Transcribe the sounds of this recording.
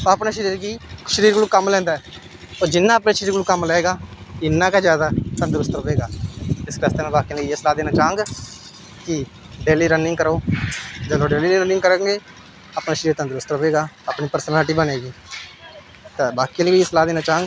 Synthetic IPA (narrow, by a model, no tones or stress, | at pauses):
pãpnaːʃəɾiːɾɡiːʃəɾiːɾɡəluːkəmlɛ̃ːnd̪aːɛː | t̪oːd͡ʒɪnːãːəːpnẽːʃəɾiːɾɡluːkəmlɛeːɡaːɪnːãːkaːd͡ʒjaːd̪aːt̪ənd̪əɾʊst̪ɾəʋeːɡaːɪsɾaːst̪emɛ̃ːbaːkiːləieːsəlaːd̪eːnaːt͡ʃaːə̃ŋɡ | kɪ | ɖeːliːɾənɪŋɡkəɾoːd͡ʒəlõːɖeːliːlːɾənɪ̃ŋɡkəɾẽːŋɡeː | aːpnaːʃəɾiːɾt̪ə̃nd̪əɾʊst̪ɾəʋeːɡaːapniːpəɾsəlaːʈiːbəneːɡiː | t̪aːbaːkiːlːeːsəlaːd̪eːnaːt͡ʃãːŋ